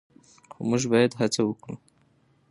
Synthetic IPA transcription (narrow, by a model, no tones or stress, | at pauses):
xo̰muʒbɑjad̪ɦat͡sawəkɽu